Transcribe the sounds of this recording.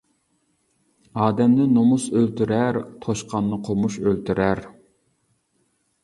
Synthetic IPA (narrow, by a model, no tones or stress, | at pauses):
ɑːd̪ɛmnɪnomusølt̪yɾæɾt̪ʰoʃqʰɑnːɨqʰomuʃølt̪ʰyɾʔæɾ